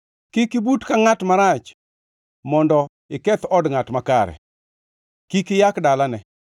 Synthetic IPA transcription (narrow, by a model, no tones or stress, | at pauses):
kɪkibutkaŋatmaɾat͡ʃ | mɔndɔ | ɪkɛt̪ɔdŋatmakaɾɛ̰ | kikɪjakdalanɛ